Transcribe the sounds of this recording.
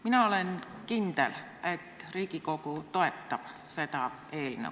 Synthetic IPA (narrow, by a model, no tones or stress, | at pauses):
minæolenkint̪ḛl | et̪riːkikokut̪oet̪ːɑp | set̪ɑ | eːlnḛ